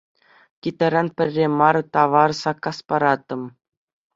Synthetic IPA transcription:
kʲit̪ɘɾɑnpʲɘ̆rʲːemɑrt̪ɑʋɑrsɑkːɑspɑɾɑt̪ːɤ̆m

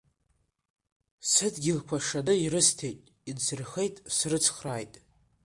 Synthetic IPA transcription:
sɨdɡʲɪlkʷʰaʂanɨiɾɨstʰejtʼ | idt͡sʰɨrχejtʼsrɨt͡sʰχraːjtʼ

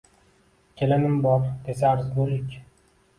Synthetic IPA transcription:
kʲʰelɪnɪmbɒɾd̪es̬aɾzɡʊɾɪkʲ

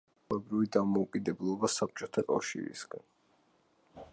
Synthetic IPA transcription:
ɛbɾivid̪amɔukʼid̪ɛblˠɔbasap̚t͡ʃʼɔt̪ʰakʼa̰fʃḭɾḭsɡan

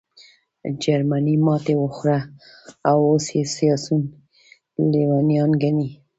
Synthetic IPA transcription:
d͡ʒaɾmanimɑt̪ewəxɾaː | wosjesijɑsun | lewanijɑnɡani

